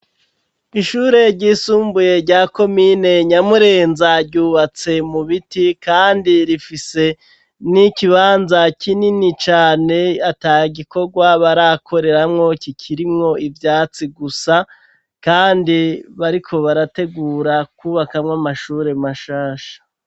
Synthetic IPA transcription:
iʃuːɾe̞ɾɟiːsuːmbuje̞ɾɟaːko̞mine̞ɲamuɾe̞ːnzaɾɟuːβat͡se̞muβitikaːndiɾifise̞ | nikiβaːnzakininit͡ʃaːne̞ataːjiɡiko̞ɡwaβaɾakʰo̞ɾe̞ɾamŋo̞kikʰiɾimŋo̞ivjaːt͡siɡusa | kaːndiβaɾikʰo̞βaɾate̞ɡuːɾakuːβakamŋamaʃuɾe̞maʃaːʃḁ

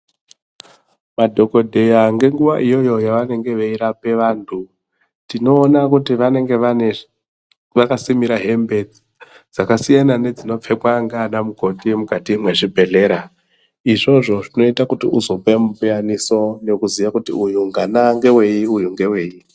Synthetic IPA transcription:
madʱo̞ko̞dʱe̞jaŋɡe̞ŋɡuʋaʔijo̞jo̞jaʋane̞ŋɡe̞ʋeiɾape̞ʋaːntʰu | tino̞ːnakutiʋane̞ŋɡe̞ane | ʋakasimiɾaɦe̞mbe̞d͡zi | d͡zakasijanane̞d͡zino̞p͡fe̞pwaŋɡanamuko̞timukatimwe̞ʐibʱe̞ɮe̞ɾa | iʐo̞ʐo̞ʐino̞itakutiʔuzo̞pe̞mupianiso̞ne̞kuzijakutḭujuŋɡanaŋɡe̞we̞jiujuŋɡe̞we̞ːji

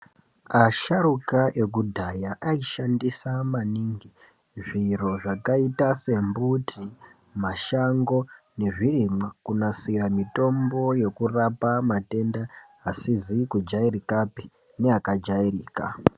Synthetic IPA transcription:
aʃarukaʔe̞k̬udʱajaʔaiʃandisamaniːŋɡi | ʐiro̞ʐakaitase̞mbutʰi | maʃaŋɡo̞ | ne̞ʐirimwakunasiramito̞mbo̞je̞kurapamate̞nda | asizikud͡ʒairikapi | neakad͡ʒairiːka̰

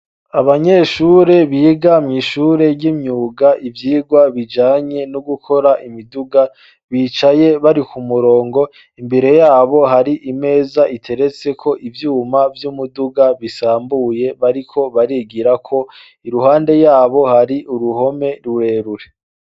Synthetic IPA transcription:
aβaɲeʃuːɾe̞βiːɡamŋiʃuːɾe̞ɾɟimɲuːɡaʔivjiːɡwaβid͡ʒaːɲe̞nuɡukʰo̞ɾaʔimiduɡa | βiːt͡ʃaje̞βaɾikumuɾo̞ːŋɡo̞ | imbe̞ɾe̞jaːβo̞ɦaɾiʔime̞ːzaʔitʰe̞ɾe̞t͡se̞kʰo̞ʔivjuːmavjumuduɡaβisaːmbuje̞βaɾikʰo̞βaɾiːɡiɾakʰo̞ | iɾuɦaːnde̞jaːβo̞haɾiʔuɾuho̞me̞ɾuɾe̞ɾuɾe̞

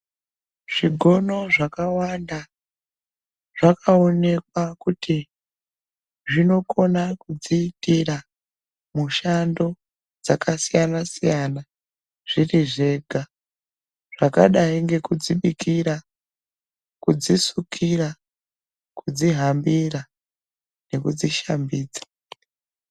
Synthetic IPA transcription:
ʐ̥iɡʱo̞no̞ʐakawanda | ʐ̥akaone̞kwakutʰi | ʐino̞ko̞nakud͡ziːtira | muʃando̞ | d͡zakasijanasijana | ʐ̥iriʐe̞ːɡʱa | ʐ̥aka̰ɗaiŋɡe̞kud͡ziɓikiɾa | kud͡zisukʰira | kud͡ziɦambira | ne̞kud͡ziʃambiːd͡zḁ

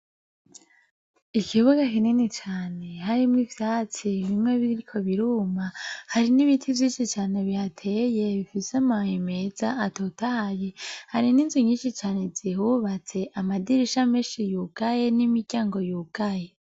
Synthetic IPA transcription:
ikʰiβuɡakininit͡ʃaːne̞ɦaɾimŋivjaːt͡siβimŋe̞βiiɾikʰo̞βiɾuːmahaɾiniβitʰivjiːnʃit͡ʃaːne̞βihatʰeje̞βifiseamahime̞zaʔːtotahajehaɾininzuɲiːnʃit͡ʃaːne̞z̥ihuβat͡se̞ʔamadiɾiʃameːnʃijuɡ̥aje̞nimiɡɟaːŋɡo̞juːɡ̥aje̞

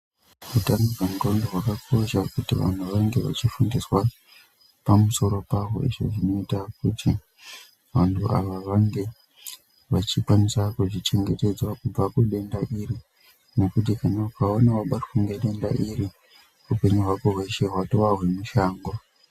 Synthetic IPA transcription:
utanoʐamukandoɦwakakʰo̞ʃakutiʋa̰n̤uʋaŋɡe̞ʋa̰t͡ʃifundiswa | pamuso̞ɾo̞paɦo̞̰ḭʐo̞̰ʐino̞itak̚utʰi | ʋantʰuaʋaʋaŋɡe̞ | ʋat͡ʃipwanisakuʐit͡ʃe̞ŋɡe̞te̞d͡zwakub͡vakuɗe̞ndaʔiri | ne̞kut̬ikanaukaonawaɓarxuŋɡeɗe̞ndaʔiɾi | upe̞ɲuɦwakoɦweʃeɦwatoʋaɦwe̞muʃaːŋɡo

